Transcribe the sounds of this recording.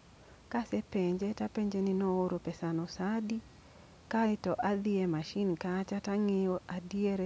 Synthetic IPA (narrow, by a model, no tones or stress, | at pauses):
kasepeɲd͡ʒetapeɲd͡ʒeninooɾopɛsanɔsadi | kaɪtɔʔad̪ɪemaʃinkat͡ʃataŋeoʔadieɾe